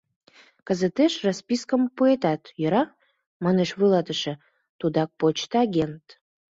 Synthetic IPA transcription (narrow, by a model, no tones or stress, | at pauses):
kəzət̪eʃrospiskəmpuet̪ɑt̪jə̆ɾɑ | mɑneʃβujlɑt̪əʃĕ | t̪ud̪ɑk̚pot͡ɕt̪ɑɡʲent̪